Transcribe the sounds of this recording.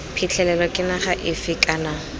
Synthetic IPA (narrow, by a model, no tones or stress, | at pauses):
pʰɪt͡ɬʰɛlɛlɔkʼɪnaχaʔɪfɪkʼana